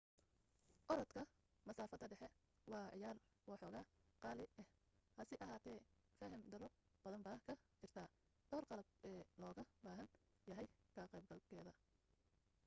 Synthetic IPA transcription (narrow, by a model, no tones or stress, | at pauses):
ʔɔɾɔt̪kʰɐ | mɐsaːfɐd̪ɐɖɛħɛ | wɑːʕɪjaːr | wɑːħɔːɣaːqɑːlɪɛhhɐsɪʔɐɦaːt̪ʰɛːfɐɦɐmd̪ɐɾɔ | b̥ɐðɐmbaːkʰɐt͡ʃɪrt̪ʰaː | d̪̥ɔːrqɑlɐb̚ɛːlɔːɣɐbaːɦɐn | jɐɦɛjkʰɐqɛjb̚ɡɐlkʰɛːðɐ